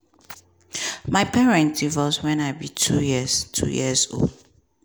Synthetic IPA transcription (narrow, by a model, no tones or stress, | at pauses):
maɪpʰɛɹɛ̃ntivɔzwɛ̃naɪbitʰujiztʰṵjḭəzo̰ld